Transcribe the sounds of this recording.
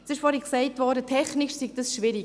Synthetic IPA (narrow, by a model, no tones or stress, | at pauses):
sɪʃfɔːɾhiksɛɪtvɔːdətʰɛχnɪʃsiɡdəsʃʋɪɾi